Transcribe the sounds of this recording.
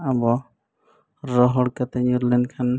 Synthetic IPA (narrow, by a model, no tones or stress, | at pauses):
abɔ | ɾɔɦɔɽkat̪ɛɲuɾlɛnkʰan